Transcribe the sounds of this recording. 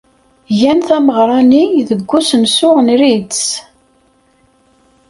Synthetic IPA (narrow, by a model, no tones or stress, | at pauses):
jænθæməʁɾˤɑniðəɡʷːusənsʊʁnɾitt͡s